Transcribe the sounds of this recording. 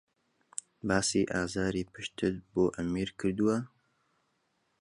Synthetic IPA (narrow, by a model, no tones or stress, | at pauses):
baːsiːʔaːzaːɾiːpʰɨʃt̪ʰɨt̪̚boːʔɐmiːɾkʰɨɾd̪uwɐ